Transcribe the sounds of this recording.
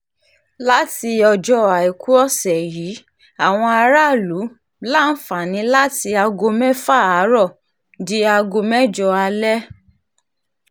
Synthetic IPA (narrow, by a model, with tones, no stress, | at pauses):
la˦ti˧ɔ˧d͡ʒɔ˧a˨i˨ku˨˦ɔ˦˨sɛ˨ji˨˦ | a˨w̃ɔ̃˧a˧ɾa˦˨lu˨˦ | la˦˨n̩˦fa˨nĩ˨˦la˦ti˧a˧ɡo˧mɛ̃˦fa˦˨a˨˦ɾɔ˦˨ | di˦a˧ɡo˧mɛ̃˦d͡ʒɔ˧a˧lɛ˦